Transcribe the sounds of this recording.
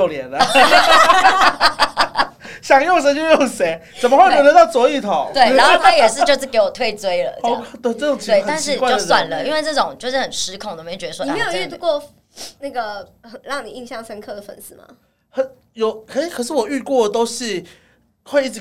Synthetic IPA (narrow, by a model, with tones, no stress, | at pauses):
o˥˩ʊljɛ˧˦˥nə˧ | ɕjɑ˨˩ŋjo˥˩ŋʂ̬ə˧˥t͡ɕo˥˧jo˥˩ŋse˨˥ɪt͡sə˨˩nməxwe˥˩me˧˥t̪t̪ɑ˥˩t͡swɔ˧˥i˥˩t̪ʰo˨˦we˥˩ɪna˧˦nxo˥˧˨t̪ʰa˥˧jɛ˨˩ʂɻ̩˥˧t͡ɕjo˥˧ʂ̬̩˥˩ke˧˥ɪwɔ˨˩t̪ʰwe˥˧ɪt͡swe˥ɪlə̰˨o̰˥˧˦kʰt̪ə˧tʈ͡ʂə˥˩ʊ˨˩ŋt͡ɕʰi˧we˥˩ɪt̪nt͡ɕʂiɻ̩˥˧ka˥˧t͡ɕo˥˩ʊswa̰˨˩nlə˦i˥nwe˥˧ɪʈ͡ʂɤ˥˩ʈ͡ʂʊ˨˩˦ŋt͡ɕjo˥˧ʊʂɻ̩˥˩xə˨˩nʂɻ̩˧˥kʰʊ˨ŋd̪o˥˩me˥˨˩ɥɛ˧d̪ə˧wɔ˥˩˨e˧˥ɪjo˨˩˥y˥˩t̪u˥kwɔ˥˩ | na˥˩ɡə˩xə˨˩ɻɑ˥˩ŋni˨˩i˥˧ŋɕjɑ˥˩ŋʂə˥nkʰɤ˥˩d̪ə˩fə̰˧˩nsɹ̩˥˩mɐ̰˩ | xə˨˦n | jo˨˦ʊkʰə˧˥˩kʰɤ˨˩ʂ̬ɻ̩˥˩wɔ˨˩y˥˧kwɔ˥˩ə˩t̪o˥ʊɕi˥˧ | xwe˥˧ɪi˥˩ʈ͡ʂ